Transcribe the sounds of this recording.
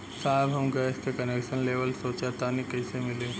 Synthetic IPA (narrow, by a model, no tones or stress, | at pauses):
saːbʱɐmɡɐskekɐnekʃənleːʋəlsoːt͡ʃat̪anikɐɪsemɪle